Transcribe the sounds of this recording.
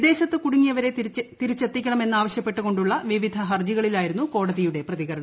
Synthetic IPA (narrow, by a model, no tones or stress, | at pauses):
d̪e̞ːɕɐt̪ːɨkuɽuŋːijɐʋɐɾe̞t̪iɾit͡ɕːet̪ːikʲːɐɳɐme̞nːaːʋɐɕjɐpːe̞ʈːuko̞ɳɖuɭːɐʋiʋid̪ʱɐɦɐrd͡ʑiɣɐɭilaːjiɾunːuko̞ːɽɐðijuɽe̞prɐðiɣɐɾɐɳɐm